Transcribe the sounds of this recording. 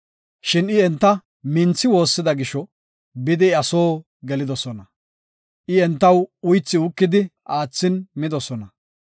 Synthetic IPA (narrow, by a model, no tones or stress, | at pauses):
ʃɪnɪɛnt̪ːɐ | mɪnt͡sːɪwo̞ːsːɪd̪ɐɡɪʃɔ | bɪd̪ɪɐso̞ː | ɡɛlɪd̪ɔsɔnɐ | ʔɪɛnt̪ːɐwʊjt͡sːɪʊkːɪd̪ɪʔaːt͡sːɪnmɪd̪ɔsɔnɐ